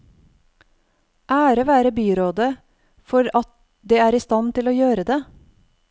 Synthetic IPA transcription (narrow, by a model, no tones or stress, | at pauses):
ʔæːɾəʋæːɾəbyːɾoːd̪ə | fɔɾɑt̪̚ | d̪eːæːɾiːst̪ɑnt̪ɪloːjøːɾəd̪eː